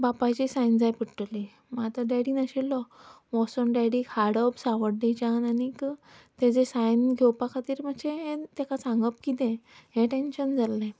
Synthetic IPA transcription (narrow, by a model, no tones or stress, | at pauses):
bapat͡ɕisãjnd͡zajpiʈəli | mat̪əɖaɽinəɕelːɔ | ʋɔsənɖaɽikʰaɽəbsãʋəɽɖet͡ɕananikt̪ed͡zesajnɡʱewpakʰat̪iːɾm̤əɕeɦet̪ɛkasãŋɡəp̚kit̪ɛ̃ɦẽʈenɕənd͡zalːẽ